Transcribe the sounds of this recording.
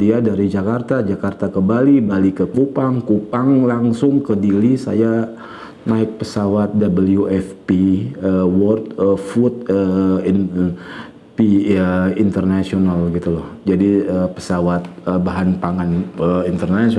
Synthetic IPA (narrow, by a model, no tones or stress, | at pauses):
diadaɾid͡ʒakart̪ad͡ʒakart̪akəbalibalikəkupaŋkupaŋlaŋsʊŋkədilisa̰ja | naɪk̚pəsawat̪̚dabəljuʔɛfpiəwɔrt̪̚əfut̪̚ə | piəint̪ərnasionalɡit̪ulɔhd͡ʒadiəpə̥sawat̪̚əbaɦanpaŋanəint̪ərnasi